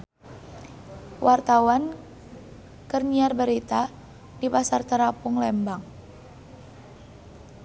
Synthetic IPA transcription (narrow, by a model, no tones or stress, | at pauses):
wʔart̪awan | kərniarbəɾit̪a | dipasart̪əɾapuŋlɛmbaŋ